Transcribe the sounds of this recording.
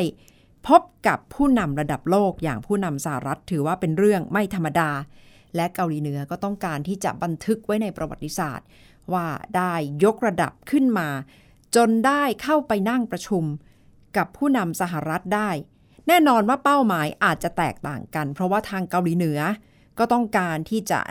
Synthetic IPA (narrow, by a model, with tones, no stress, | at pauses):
j | pʰo˦˥p̚ka˨˩pʰːuː˥˩na˧mɾa˧da˨˩p̚loː˥˩k̚ja̰ː˨˩ŋpʰuː˥˩na˧msa˧˩ha̰˨˩ɾa˦˥t̪ʰːɯː˩˦waː˥˩pe˧nɾɯ˥˩əŋma˥˩jt̪ʰa˧mːa˧daː˧ | lɛ˦˥ka˧wliː˩˦nɯ˩˦ɐkɔː˥˩t̪ɔ˥˩ŋkaː˧nt̪ʰiː˥˩t͡ɕa̰˨˩ba˧nt̪ʰɯ˦˥k̚wa˦˥jna˧jpɾa˧wa˨˩t̪ːi˧˦sa̰ː˨˩t̪̚ | waː˥˩daː˥˩jːo˦˥k̚ɾa˧da̰˨˩p̚kʰɯ˥˩nmaː˧ | t͡ɕo˧ndaː˥˩jkʰa˥˩wpa˧jna˥˩ŋpɾa˧t͡ɕʰu˧m | ka˨˩pʰːuː˥˩na˧msa˨˧ɦa˨˩ɾa˦˥t̪̚daː˥˩j | nɛː˥˩nɔː˧nwaː˥˩pa˥˩wmaː˩˦jʔaː˨˩t̪̚t͡ɕa˨˩t̪ɛ̰ː˨˩k̚t̪a̰ː˨˩ŋka˧npʰɾɔ˦˥waː˥˩t̪ʰaː˧ŋka˧wliː˨˦nɯ˩˦ɐ | kɔː˥˩t̪ɔ˥˩ŋkaː˧nt̪ʰiː˥˩t͡ɕa̰˨˩